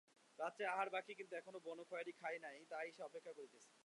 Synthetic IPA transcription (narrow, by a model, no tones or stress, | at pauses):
ɾad̪ːt͡ɕaaɦaɾbakikint̪uɛkʰonobɔnokʰɔjaɾikʰajnajt̪ajʃeɔpekʰːakoɾit̪esʰe̥